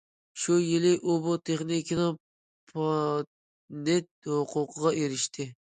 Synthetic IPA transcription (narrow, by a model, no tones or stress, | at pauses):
ʃujɪlɪʔubut̪ʰeχnikʰʲinɨ | pʰɑ | net̪̚hʊqʰʊqʰəʁɑʔeɾɪʃt̪ʰɪ